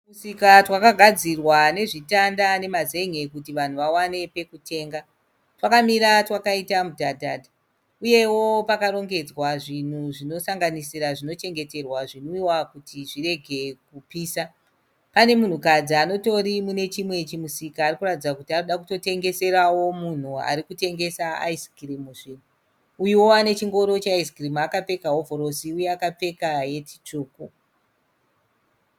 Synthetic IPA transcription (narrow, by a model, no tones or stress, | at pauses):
musikatwakaɡʱad͡zirwane̞ʐitandane̞maze̞ŋe̞kutiʋan̤uʋawane̞pe̞kutʰe̞ːŋɡa | twakamiɾatwakaitamudʱadʱa̰dʱa | uje̞wo̞pakaɾo̞ŋɡe̞d͡zwaʐin̤uʐino̞saŋɡanisiɾaʐino̞t͡ʃe̞ŋɡe̞te̞rwaʐinoiwakutiʐire̞ɡʱe̞kupiːsa | pane̞mun̤ukad͡ziano̞to̞ɾimune̞t͡ʃimwe̞t͡ʃimusikaːrikuratid͡zakutiaoɗakuto̞te̞ŋɡe̞se̞ɾawo̞mun̤ua̰ɾikute̞ŋɡe̞saa̰iskrimuʐin̤u | ujiwo̞ane̞t͡ʃiŋɡo̞ɾo̞t͡ʃeaiskrimakafe̞kaɦovʱoɾo̞siujeakap͡fe̞kaje̞ti̥t͡ʂuːku